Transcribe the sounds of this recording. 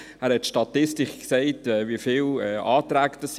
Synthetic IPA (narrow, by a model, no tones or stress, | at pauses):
æːɾhɛtʃtɑtɪstɪχksɛɪtɛːviəfiːlɛʔɑːtɾæːɡd̥ɑs